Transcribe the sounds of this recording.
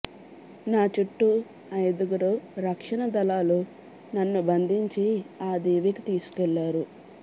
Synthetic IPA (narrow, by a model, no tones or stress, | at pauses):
naːt͡ʃuʈːu | ɐjd̪uɡuɾoːɾɐkʂɐɳɐd̪ɐlaːlu | nɐnːubɐnd̪ʱiɲt͡ʃiaːd̪iːʋikit̪iːsu̥kɛlːaːɾu